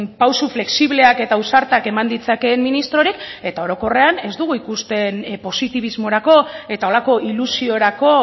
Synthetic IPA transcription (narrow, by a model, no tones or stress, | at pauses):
pawsufle̞ksiβle̞ake̞t̪ausaɾt̪ake̞mand̪it͡sake̞mminist̪ɾo̞ɾike̞t̪ao̞ɾo̞ko̞re̞ane̞zd̪uɣ̞uikust̪e̞npo̞sit̪iβ̞izmo̞ɾako̞e̞t̪ao̞lako̞ʔilusio̞ɾako̞